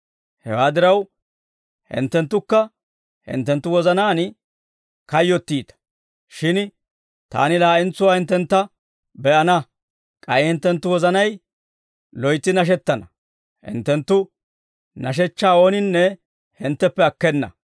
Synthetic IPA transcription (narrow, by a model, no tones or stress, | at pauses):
hɛ̰waːd̪ɪɾɐw | hɪ̰nt̪ːɛnt̪ːʊkːɐ | hɪ̰nt̪ːɛnt̪ːʊwɔzɐnaːn | kɐjːɔt̪ːiːt̪ɐ̥ | ʃɪn | t̪a̰ːnɪlaːʔɪnt͡sːʊwaːhɪnt̪ːɛnt̪ːɐ | bɛʔɐnɐ | kʼɐjɪhɪnt̪ːɛnt̪ːʊwɔzɐnɐj | lɔjt̪ːɪnɐʃ̬ɛt̪ːɐnɐ | hɪ̰nt̪ːɛnt̪ːʊ | nɐʃ̬ɛt͡ʃːaːoːnɪnːɛ | hɪnt̪ːɛpːɛɐkːɛnːɐ̰